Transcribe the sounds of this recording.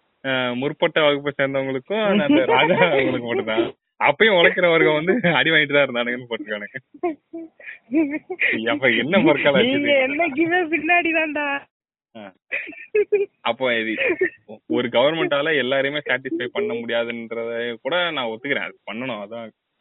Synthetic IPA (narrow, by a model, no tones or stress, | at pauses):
amʊɾpːɐʈːɐʋaːɣɯpːɐsɛɾɯnd̪ɐʊŋɡɐɭɯkːʊ̃ɐnɐɾaːɡaːʊŋɡɐɭɯkːɯpɐʈːɯt̪ːãː | ɐpːɐjʊ̃ʋɔɭɐkːɪɾɐʋɐɾɣɐʋɐnd̪ɯɐɽiʋaːjɪʈ̬ːt̪ãːɪɾɯnd̪aːnɐɡɐnːɯpɐɾkːɡaːnɯŋɯ | ɐpːoɛnːɐpɔɾkːaːlɐɐt͡ʃiŋɡɐɛnːɐɡiʋefɪnːaːɽiðãːnɖ̪aː | aː | ɐpːoːðɯ | ɔɾɯɡɐʋɐɾmɛɳʈaːlɐɛlːaːɾɐjmeːsaːʈɪsfɐɪpɐɳːɐmʊɽɪjaːðɯnɾɐðɐkuːɽɐnãːŋɔt̪ːɯkːɯɾḛ̃ːɐ̰ðɯkpɐɳːɐɳʊ̃ɐðɐ̃